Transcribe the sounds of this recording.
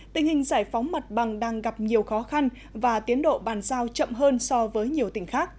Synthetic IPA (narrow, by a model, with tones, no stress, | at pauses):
t̪ï˨˩ŋ̟hï˨˩ŋ̟zaː˧˩jfa˨˦wŋ͡mma˨˩t̚ɓa˨˩ŋɗaː˧ŋɣa˨˩p̚ɲi˨˩əwxɔ˨˦xa˧n | vaː˨˩t̪i˨˦ənɗo̰˧˨ɓaː˨˩nzaː˧wt͡ɕə̰˧˨mɦəː˧nsɔ˧vəː˨˦jɲi˨˩əwt̪ï˧˩ŋ̟xaː˦˥k̚